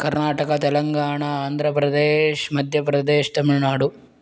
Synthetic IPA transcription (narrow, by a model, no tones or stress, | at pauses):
kɐɾnaːʈɐkɐt̪ɛlɐŋɡaːɳɐaːnd̪ʱɾɐpɾɐd̪eːʃmɐd̪ʱjɐpɾɐd̪eːʃt̪ɐmiɾnaːɽu